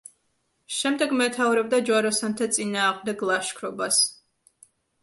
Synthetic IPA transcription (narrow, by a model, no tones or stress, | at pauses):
ʃɛmd̪ɛɡmɛt̪ʰavɾɛb̚d̪ad͡ʒwaɾɔsant̪ʰat̪sʼinaːʁmd̪ɛɡlˠaʃkʰɾɔbas